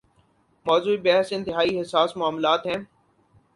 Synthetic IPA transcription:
mɔːzuːibɛɦsɪ̃nt̪ɪɦaːiɦɪsaːsmʊaːmlaːt̪ɦɛ̃ː

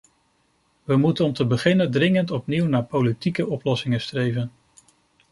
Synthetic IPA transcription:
ʋəmutənɔmtəbəχɪnəndrɪŋəntɔpniwnaːɹpowlitikəʔɔplɔsɪŋəstrejvən

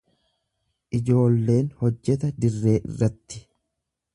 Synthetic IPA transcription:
ʔɪd͡ʒo̞ːlːe̞ːnhɔd͡ʒːɛt̪̬ɐd̪ɪrːe̞ːʔɪ̰rːɐt̪ːɪ̥

